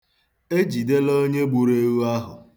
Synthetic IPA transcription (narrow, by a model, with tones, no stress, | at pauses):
e˦d͡ʒi˨de˦lo˦ɲe˦ɡ͡bu˨ɾe˦ɾu˦a˦ɦʊ˨